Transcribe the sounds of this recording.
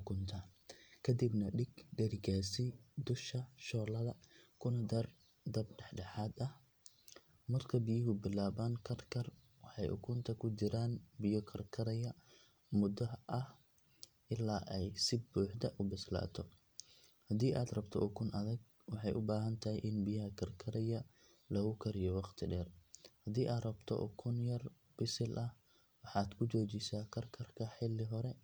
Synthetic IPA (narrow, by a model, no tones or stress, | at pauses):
ʊkʰʊnt̪ʰa | kʰɐd̪ibnɐɖɪɡɖɐɾɪɡaːsɪd̪ʊʃkɐʃɔːlɐðɐkʰʊnɐd̪ɐr | d̪ɐbɖɛħɖɛħaːd̪ɐh | mɐrkʰɐbɪjɪɦʊbɪlaːβaːŋkʰɐrkʰɐr | wɑħɑjʔʊ̰kʰʊnt̪ʰɐkʰʊt͡ʃɪɾaːnbɪjɔkʰɐrkʰɐɾɐjɐ | mʊd̪ɐʔɐh | ʔɪlaːʔɛjsɪbuːħd̪ɐʔʊbɪsla̰ːt̪ʰɔ | hɐd̪iːʔaːd̪rɐbt̪ʰɔʔʊkʰʊnʔɐðɐɡ̚ | wɑħɑjʔʊbaːɦɐnt̪ʰɐɦɪjʔɪnbɪjɐɦɐkʰɐrkʰɐɾɛjɐ | lɐɣʊkʰɐɾɪjɔwɑqt̪ʰɪɖɛːrhɐd̪iːʔaːd̪rɐbt̪ʰɔ̰ʔʊ̰kʰʊnjɐr | b̥ɪsɪlʔɐh | wɑħɑːd̪kʰʊt͡ʃɔːt͡ʃɪsaːkʰɐrkʰɐrkʰɐħɪlːɪɦɔɾɛ